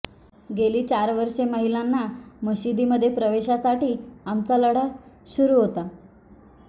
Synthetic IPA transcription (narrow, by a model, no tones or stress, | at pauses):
ɡeliːt͡ɕaɾʋəɾʂeməɦilanːaməɕid̪iːməd̪ʱːjepɾəʋeɕasaʈiːamt͡saləɽ̤a | ɕuɾuːɦot̪a